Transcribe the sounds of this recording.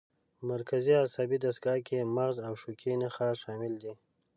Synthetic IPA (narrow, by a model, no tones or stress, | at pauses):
maɾkaziasɑbid̪ast̪̚ɡɑkʰemaɣzawʃukʰenaxaʃɑmɪld̪i